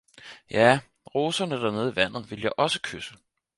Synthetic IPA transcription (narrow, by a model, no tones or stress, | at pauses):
jæ | ʁo̝ːsɐnəd̥æɐne̝ð̞ˠiʋæn̰ð̩ˠʋe̝ljɑ̈ɪʔɒ̽sə̥kʰøsə